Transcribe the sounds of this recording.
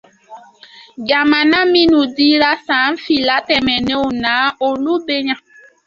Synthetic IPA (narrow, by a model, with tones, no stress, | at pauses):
ɡa˨ma˨na˦mi˦nu˨di˦ɾa˦sa˨˦m̩˦fi˨la˦tɛ˨mɛ˨ne˦o˨na˨˦o˨lu˦be˦ɲa˦